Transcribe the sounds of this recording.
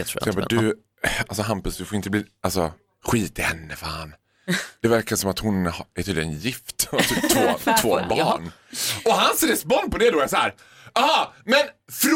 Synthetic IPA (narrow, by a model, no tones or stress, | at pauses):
ɾɪsɛmpːd̪ɵ | alsɔɦampəsd̪ɵfoɾɪnt̪əbliːalsɔ | ɧiːt̪ɪhɛnːəfa̰ːn | d̪̥ɛvæɾkasɔmat̪hʊnhɛɾt̪ʰyːlɪnɛnjɪft̪vat̪yːpt̪ʰvoːt̪voːbɑːɳɔɦansɾɛspɔnd̪̚pɔd̪ɛd̪oasahæːɾ | ɑhɑmɛnfɾ